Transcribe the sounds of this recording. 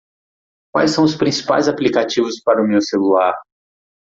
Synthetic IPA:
kwajsːɐ̃w̃ʊspɾĩsi̥pa̰jzaplikat͡ʃivʊspaɾʊmewselulaɾ

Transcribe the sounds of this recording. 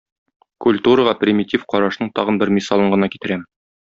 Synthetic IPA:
kulʲt̪uɾəʁɑprʲɪmʲɪtʲifqɒɾɑʃnɤɴt̪ɒʁɤ̆nbɘɾmʲisɑlˠɤɴʁɤ̆nɑkit̪ɘ̆ɾæm

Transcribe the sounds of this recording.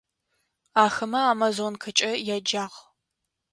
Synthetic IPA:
aːxɐmɐaːmazonkʰɐt͡ʃʼɐjad͡ʒaːʁ

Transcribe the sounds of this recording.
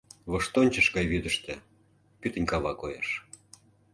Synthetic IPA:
βəʃt̪onʲt͡ɕə̆ʃɡɑjβyd̪əʃt̪ĕ | pyt̪ə̆nʲkɑβɑkojɑ̰ʃ

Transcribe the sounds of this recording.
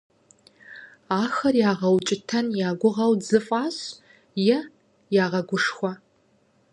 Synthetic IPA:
aːxɐrjaːʁɐwt͡ʃʼɪtʰɐnjaːɡʷʊʁɐwzɨfʼaːɕ | jɛ | jaːʁɐɡʷʊʂxʷɐ

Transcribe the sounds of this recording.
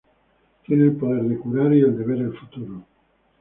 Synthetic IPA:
t̪je̞neːlpoð̞e̞ɾðe̞kuɾaɾie̞ld̪e̞βe̞ɾelfut̪uɾo

